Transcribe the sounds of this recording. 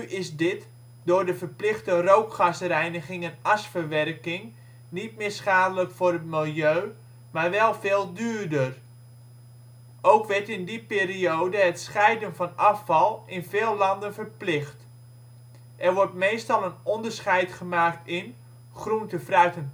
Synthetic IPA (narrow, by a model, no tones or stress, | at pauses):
nyʔɪsdɪt | dʊːɹdəvərplɪxtərowkχasərɛjnəχɪŋənasfərʋɛrkɪŋ | nit̚mɪːɹsχaːdələkfʊrətmɪlˠjøː | maːrʋɛlˠvɪːlˠdyːrdər | owkʋɛrtɪndipɪːriowdəɦətsχɛjdənvɑnɑfɑlˠɪnvɪːlˠlɑndənvərplɪxt | ʔɛrʋɔrtmeːstɑlˠənɔndərsχɛjtχəmaːktɪn | χruntəfrœɥtən